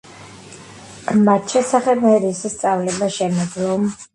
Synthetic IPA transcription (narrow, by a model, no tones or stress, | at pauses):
mat̪ʃɛsaχɛbmɛɾisist̪sʼavlɛbaʃɛmɛd̪lˠɔm